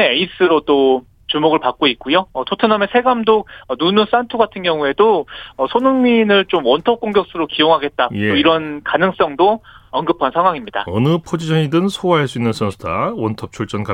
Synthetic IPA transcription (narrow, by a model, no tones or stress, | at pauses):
eeis͈ɯɾot͈o | t͡ɕumoɡɯɭpak͈̚oik̚k͈ujoʌtotʰɯnamesʰe̞ɡamdoʌnunɯs͈antʰuɡatʰɯnɡjʌŋue̞doʌsʰonɯŋminɯɭt͡ɕomwʌntʰʌp̚k͈oŋɡjʌk̚s͈ɯɾokijoŋɦaɡe̞t̚t͈aeoiɾʌnkanɯŋs͈ʌŋdoʌŋɡɯpʰansʰaŋɦwaŋimɲida̰ʌnɯpʰod͡ʑid͡ʑʰʌɲidɯnsʰowaɦaɭs͈uinːɯnsʰʌnsʰudawʌntʰʌp̚t͡ɕʰuɭt͡ɕ͈ʌnka